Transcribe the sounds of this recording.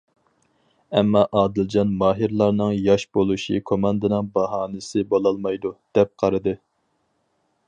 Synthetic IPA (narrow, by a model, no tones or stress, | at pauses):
ɛmːɑʔɑːd̪ɪld͡ʒɑnmɑːɦiɾlˠɑɾnɨŋjɑʃbolˠuʃḭkʰomɑnd̪ɨnɨŋbɑɦɑːnɨsɪbolˠɑlˠmɑjd̪ud̪̥ɛp̚qʰɑɾɨd̪ɨ